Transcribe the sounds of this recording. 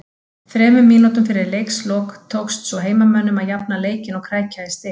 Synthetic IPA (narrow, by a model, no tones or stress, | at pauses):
fɾɛːmʏmiːnɔt̪ʏmfɪɾɪɾlejkslɔkt̪ʰowkst̪sɔɣɦeːjmamɛnːʏmaðjap̚naleːjcɪnɔɣkʰɾaːjcaɪst̪ɪ